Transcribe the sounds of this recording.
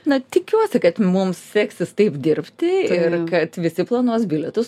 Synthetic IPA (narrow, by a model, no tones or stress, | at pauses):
nɐt̪ʲɪkʲuɔsʲɪkɐt̪mʊmssʲæːksʲɪst̪ɐɪpd̪ʲɪrʲpʲt̪ʲɪɪrkɐt̪ʋʲɪsʲɪplˠɐnuɔsbʲɪlʲɛt̪ʊs